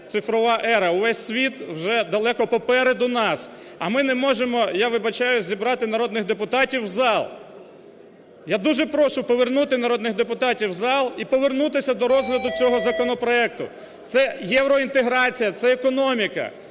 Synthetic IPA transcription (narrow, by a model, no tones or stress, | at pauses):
t̪sɪfɾɔʋɑʔɛɾɐʊʋɛsʲsʲʋʲit̪wʒɛd̪ɐlˠɛkɔpɔpɛɾed̪ʊnɑsɐmɪnɛmɔʒemɔjaʋɪbɐt͡ʃajʊzʲibɾɑt̪ɪnɐɾɔd̪nɪxd̪epʊt̪ɑtʲiwzɑlˠ | jad̪uʒɛpɾɔʃʊpɔʋernut̪ɪnɐɾɔd̪nɪɣd̪epʊt̪ɑtʲiwzɑlˠipɔʋernut̪ɪsʲɐd̪ɔɾɔzɦlʲɐd̪ʊt͡sʲɔɦɔzɐkɔnɔpɾɔɛk̚t̪ʊ̰ | t̪sɛjɛwɾɔint̪eɦɾɑt͡sʲijɐt̪sɛːkɔnɔmʲikɐ̰